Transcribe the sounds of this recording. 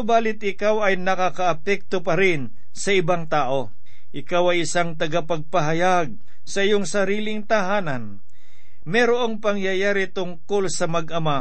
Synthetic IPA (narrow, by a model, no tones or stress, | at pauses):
sobaːlɪt̪̚ɪkawɐjnɐkakɐʔɐpɛk̚t̪opɐɾɪn | sɐʔɪbaŋt̪aːʔo̞ | ʔɪkawɐjɪsaŋt̪ɐɡapɐɡ̚pɐɦɐjaɡ̚ | sɐʔɪjoŋsɐɾiːlɪŋt̪ɐɦaːnɐn | mɛɾoʔoŋpɐŋjajaːɾit̪ʊŋkolsɐmɐɡʔɐma